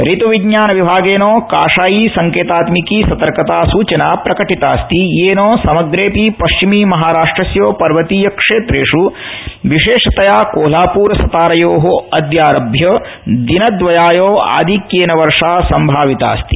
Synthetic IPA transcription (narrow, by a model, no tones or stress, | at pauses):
ɾit̪uʋiɡɲaːnɐʋibʱaːɡeːnoːkaːʂaːjiːsɐŋkeːt̪aːt̪mikiːsɐt̪ɐɾkɐt̪aːsuːt͡ʃɐnaːpɾɐkɐʈit̪aːst̪ieːnoːsɐmɐɡɾeːpipɐʃt͡ʃimiːmɐɦaːɾaːʂʈɾɐsjoːpɐɾʋɐt̪iːjɐkʂeːt̪ɾeːʂu | ʋiʃeːʂɐt̪ɐjaːkoːlaːpuːɾɐsɐt̪aːɾɐjoːɦoɐd̪jaːɾɐbʱjɐ | d̪inɐd̪ʋɐjaːjoːa̰ːd̪ʱikjeːnɐʋɐɾʂaːsɐmbʱaːʋit̪a̰ːst̪i̥